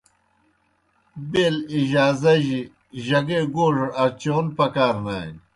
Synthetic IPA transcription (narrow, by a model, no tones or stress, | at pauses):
beːliʑaːzɐʑi | ʑɐɡeɡoːʐɐɾɐɾt͡ɕoːnpɐkaːɾna̰ːj